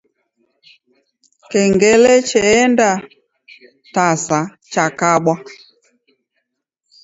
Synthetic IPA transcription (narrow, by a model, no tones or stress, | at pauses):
kɛŋɡɛlɛt͡ʃɛːnda | tasa | t͡ʃakaɓwa